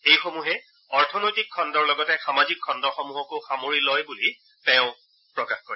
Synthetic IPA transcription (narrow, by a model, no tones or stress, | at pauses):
ejxomuɦɛ | ɔɹtʰɔnojtikʰːɔndɔɹlɔɡɔtɛxamazikʰːɔndɔɹxɔmuɦɔkoxamoɹilojbuli | tɛʊ̃ | pɹɔkaxkoɹi